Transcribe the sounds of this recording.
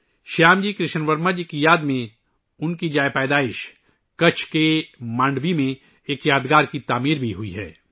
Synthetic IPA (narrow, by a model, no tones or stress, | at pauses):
ʃaːmd͡ʒiːkɾɪʃənʋɐɾmad͡ʒkijaːd̪mẽ | ʊnkid͡ʒaːjpɛːd̪aːɪʃ | kɐt͡ʃʰkemãːɳɖʋimẽ | eːkjaːd̪ɡaːɾkit̪aːmiːɾbʱiɦuiɦɛ̰ː